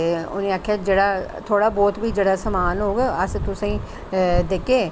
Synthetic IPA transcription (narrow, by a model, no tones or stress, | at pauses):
ʊ̰nẽaːkʰjad͡ʒeɽat̪ʰoːɽabɔːt̪biːd͡ʒeːɽasəmaːnɦoːɡəst̪ʊsĩ | d̪eːkeː